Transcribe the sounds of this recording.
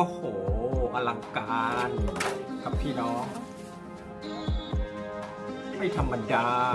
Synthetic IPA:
o˧˩hoː˩˦ʔa˧la˧ŋkaː˧nkʰa˧˦p̚pʰiː˥˩nɔː˥˩ŋ | k̪ʰa˥˩jt̪ʰa˧mba˧njaː˧

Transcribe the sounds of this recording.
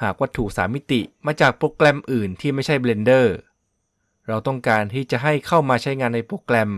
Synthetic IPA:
haː˨˩k̚wa˦˥t̪ʰːuː˨˩k̚saː˩˦mi˦˥t̪i˨˩maː˧t͡ɕaː˨˩k̚pɾoː˧˥klɛ˧mʔɯː˨˩nt̪ʰiː˥˩ma˥˩jt͡ɕʰa˥˩jbleː˧ndɤː˥˩ | ɾa˧wt̪ɔ˥˩ŋkaː˧nt̪ʰiː˥˩t͡ɕa˨˩ɦa˥˩jkʰa˥˩wmaː˧t͡ɕʰa˦˥jŋaː˧nːa˧jpɾoː˧˥klɛ˧m

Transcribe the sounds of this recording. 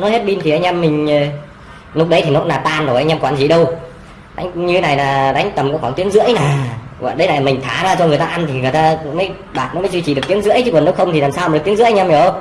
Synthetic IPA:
nɔ˨˦jhe˦˥t̚ɓi˧nt̪ʰi˨˩ʔa˧jŋ̟ʔɛ˧mːï˨˩ŋ̟˨˩ | lʊ˦˥k͡p̚ɗə˨˦jt̪ʰi˨˩nɔ˨˦˥naː˨˩t̪aː˧nɗo˨˩jʔa˧ŋ̟ʔɛ˧mkwaː˧˩nzḭ˧˨ɗə˧w | ɗa̰˨˦jŋ̟ɲɨ˧e˦na˨˩jlaː˨˩ɗa˨˦jŋ̟t̪ə˨˩mkɔ̰˧˥xaː˧˩ŋt̪i˨˦əŋzɨ̰˧˥əjnaː˨˩kwa̰ː˧˨ɗə˨˦jna˨˩la˨mï˨˩ŋ̟t̪ʰaː˨˧˩zaː˨˧t͡ɕɔ˧ŋɨ˨˩əjt̪aː˧ʔa˧nt̪ʰi˨˩ŋɨ˨˩əjt̪aː˧məː˨˦j | ɓaː˨˩t̚nɔ˨˦məː˨˦jzwi˧t͡ɕi˨˩ɗk̚t̪i˨˦ŋzɨ̰˧˥əjt͡ɕɨ˧˦kwə˨˩nɗə˨˦wxə˧wŋ͡mt̪i˨˩laː˨˩msaː˧˨˧ɨ˨˩k̚t̪i˦ŋzɨ̰˧˥ʔŋʔɛ˧m˨˩ə˧w

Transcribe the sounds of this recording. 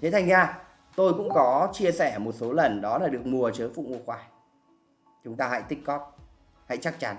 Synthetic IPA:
t̪ʰe˨˦t̪ʰa˧jŋ̟ɲaː˧ | t̪o˧jkʊ̰˧˥ŋ͡mkɔ˨˦t͡ɕi˧əsɛ˧˩mo˨˩t̚so˨˦lə˨˩nɗɔ˨˦laː˨˩ɗɨ˨˩ək̚mu˨˩ət͡ɕəː˨˦jfṵ˧˨mu˧˩əxwaː˨˩˦j | t͡ɕʊ˨˦ŋ͡mt̪aː˧ha̰˧˥˨jt̪ï˦˥k̚kɔ˦˥t̚ | ha̰˧˥˨jt͡ɕa˦˥k̚t͡ɕa˨˦n

